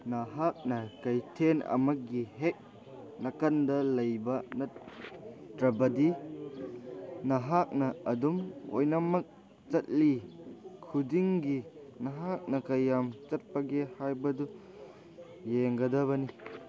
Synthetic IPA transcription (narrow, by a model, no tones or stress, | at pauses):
nɐɦak̚nɐkɐjtʰenɐ̰mɐk̚ɡiɦek̚ | nɐkɐndɐlɐjbɐnɐ | tɾɐbɐdi | nɐɦak̚nɐɐdumo̰jnɐmɐk̚ | t͡ʃɐt̚likʰudiŋɡinɐɦak̚nɐkɐjːamt͡ʃɐt̚pɐɡehajbɐdu | jeŋɡɐdɐβɐni